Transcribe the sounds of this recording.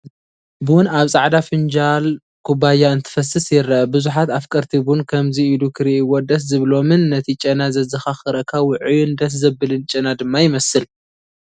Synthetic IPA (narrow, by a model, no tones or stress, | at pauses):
bɨwʊnaβsʼaʕd̪afɨnd͡ʒal | kʰubajaɨnt̪ʰɨ̥fɐsɨsjɪɾːɐbɨzuħat̪afkʼɐɾt̪ʰibunkʰɐmziilukʰɨɾiɪwːod̪ɐs̬zɨβlo̞mɨnːɐt̪ʰit͡ʃʼɐnazɐzɨxaxɨɾɐkʰawɨʕjund̪ɐs̬zɐbɨlɨnt͡ʃʼɐnad̪ɨmːajɪmɐsɨl